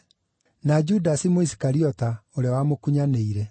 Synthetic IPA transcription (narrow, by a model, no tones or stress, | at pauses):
nad͡ʒudasimoisi̥kaɾiɔtaoɾeawamokuɲaneiɾɛ